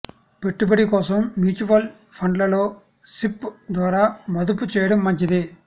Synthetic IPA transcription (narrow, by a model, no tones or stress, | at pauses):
pɛʈːɯpɐɽikoːsɐmːjuːt͡ʃuʋɐl | fɐɳɖlɐloː | sɪpːd̪ʋaːɾamɐðɯpːɯt͡ʃeːɽɯmːɐɲd͡ʒiðɯ